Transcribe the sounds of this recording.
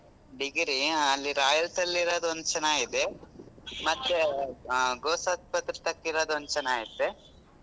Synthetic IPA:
ɖiɡɾiɐlːiɾaːjɐlsɐlːiɾoːd̪ond̪ut͡ʃɐnaːid̪e | mɐt̪ːe | ɡoːsɐspɐt̪ɾɐt̪ɐkːiɾoːd̪ond̪ut͡ʃɐnaːit̪ːe

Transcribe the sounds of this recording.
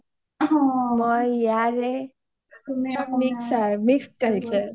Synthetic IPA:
ɦoməjjaɾe | miksaɾmiksʈ̚kəɾt͡ɕəɾ

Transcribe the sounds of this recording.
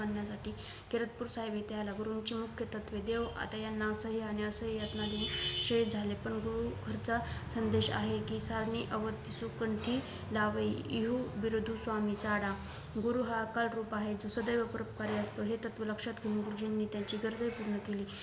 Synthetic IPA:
anːjasaʈiː | keɾət̪̚puːɾsaɦebet̪ealaɡuɾuɲt͡ɕiːmukʰjət̪ət̪ʋed̪eʋa̰t̪ajanːasəɦianiəsəɦijat̪nad̪euɕəit̪̚d͡zʱalepəɳɡuɾukʰəɾt͡sasənd̪eɕa̰ɦekisaɾɳiʔəʋət̪ːisukəɳʈʰiː | laʋəiḭɦuʋiɾod̪ʱusʋamisaɽa | ɡuɾuɦakalɾuːpaɦed͡zosəd̪əjʋəpəɾəp̚kaɾeəst̪oɦet̪ət̪ʋeləkʂat̪ɡʱiũnɡuɾud͡ʑinːiːt̪jaɲt͡ɕiːɡəɾd͡z̪əjpuɾɳəkeliː

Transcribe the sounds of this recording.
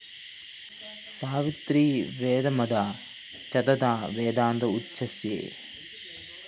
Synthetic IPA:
saːʋit̪ɾiːʋeːd̪ɐmɐd̪aː | t͡ʃɐd̪ɐd̪aːʋeːd̪aːnd̪ɐut͡ʃʰːɐsjḛː

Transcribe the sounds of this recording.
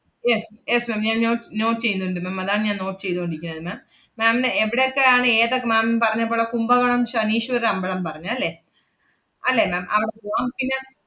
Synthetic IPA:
jesjesmaːmɲaːnɲoːʈːno̞ːʈːɨt͡ɕe̞junːuɳɖɨmaːmɐðaːɳɨɲaːnno̞ːʈːɨ̥t͡ɕe̞jt̪ːuoɳɖiikʲːunːɐðɨmaːmː | aːmneʋiɽejokːe̞aːɳɨeːðokːemaːmpɐrɐɲːɐpːoːɭːɐkumbɐŋɐɳɐmpɐkʂeɐniːʂuʋɐɾɐmbɐɭɐmpɐrɐɲːuɐlːe̞ | ɐlːemaːmʔɐ̰ʋiɽeloːŋkːinːɐ

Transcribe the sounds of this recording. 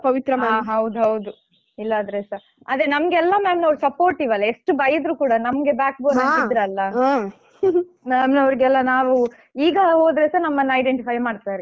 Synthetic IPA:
kɐʋit̪ɾɐmɐaːɦɐwd̪uɦɐwd̪u | ilːɐːd̪ɾesɐɾ | ɐd̪ɾenɐmɡeɛlːɐmaːmnɐʋɾusɐpoːɾʈiʋɐlːɐeʂʈubɐjid̪ɾuːkuːɽɐnɐmɡe̞baːk̚boːnɐnid̪ɾeɐlːɐ | maːmnɐʋɾiɡɛlːɐnaːʋu | iːɡɐɦoːd̪ɾesɐɾnɐmːɐnːɐɐjɖeɳʈipʰɐjmaːɽt̪aːɾi

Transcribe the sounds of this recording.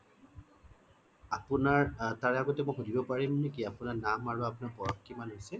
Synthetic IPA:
apunaɹtaɹɛaɡɔtɛmojxodibɔpaɹimnek̬iapunaɹnamaɹuapʊnaɹpɔɹɔkːimanɦojsɛ

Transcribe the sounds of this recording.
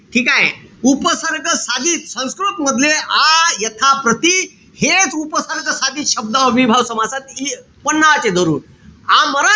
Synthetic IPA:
ʈʰiːkaɦḛupəsəɾkəsad̪iːt̪sə̃w̃skɾut̪məd̪ʱljeajət̪ʰapɾət̪i | het͡supəsəɾkəsad̪ʱiːt̪ɕəb̚d̪ãʋibʱaʋsəmasat̪i | pənːaʋat͡sed̪ʱəɾṵːn | aməɾa

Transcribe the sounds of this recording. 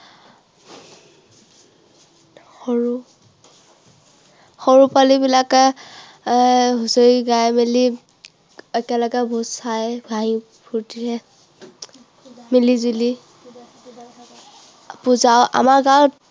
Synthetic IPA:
xoɹu | xoɹupalibilak | ɦusoiɡajmɛli | ɛkɛlɔɡɛbʱuzajɡʱaĩ | pʰuɹtiɹɛ | milizuli | puzawʔa̰maɹɡaw

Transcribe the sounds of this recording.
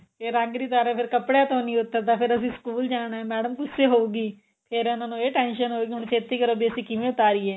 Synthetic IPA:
pʰeɾãŋɡɾiːt̪aːɾɛːpʰɪɾkəpɽjaːt̪õːnĩːʊt̪ːaːt̪ãːpʰɪɾəsĩːskuːld͡ʒaːɽ̃aːɛ̃ːmɛːɖəmkʊseːɦoːuːɡiː | pʰɪɾnãːnũːeːʈɛːnʃənɦoːɡiɦʊɳt͡ʃʰeːt̪ːiːkəɾoːbiəsĩːkɪʋẽʊt̪aːɾiːɛː

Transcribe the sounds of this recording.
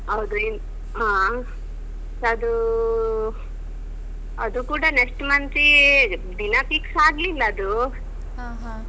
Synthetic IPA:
ɦɐwd̪uin | ɦãː | ɐd̪u | ɐd̪ukuːɽɐnesʈmɐnt̪ɾid̪inapiksaːɡlilːɐːd̪u | ɦaɦ

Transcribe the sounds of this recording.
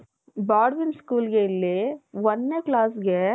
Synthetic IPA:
baːɽʋɪnskuːlɡeɪlːeʋɐnːeklaːsɡɛ

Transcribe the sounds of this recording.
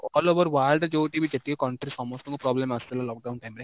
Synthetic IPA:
ɔːloːʋɐɾʋaːɭd̪ɐd͡ʒoːʈiːʋiːd͡ʒet̪ːiɡekɐɳʈɐɾisɐmoːst̪ɐŋɡopɾaːblemɐst̪ɐlːalɔːk̚ɖɐwũnɳʈɐjmɐɾe

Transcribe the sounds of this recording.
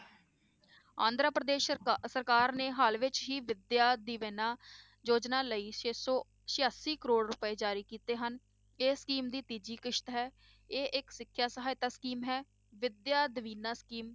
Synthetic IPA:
ã̰ːnd̪ɾaːpɾəd̪eːʃsəɾkaːɾneːɦaːlʋɪt͡ʃɦiːʋɪd̪jaːd̪iːʋeːnaː | d͡ʒoːd͡ʒnaːləiːʃeːsɔː | ʃɪjaːsiːkəɾoːɽɾʊpəeːd͡ʒaːɾiːkiːt̪eːɦən | eːskiːmd̪iːt̪iːd͡ʒiːkɪʃt̪ɦɛː | eːʔɪksɪkʰːjaːsəɦaːɪt̪aːskiːmɦɛː | ʋɪd̪jaːd̪əʋiːnaːskiːm

